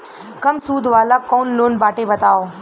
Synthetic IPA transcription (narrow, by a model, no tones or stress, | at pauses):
kɐmsuːd̪ʱʋaːlakɔːnloːnbaːʈebɐt̪aːoː